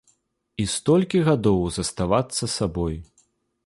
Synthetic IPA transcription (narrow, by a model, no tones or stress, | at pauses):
ist̪ɔlʲkʲiɣad̪ɔwzɐst̪avat̪sːɐsabɔj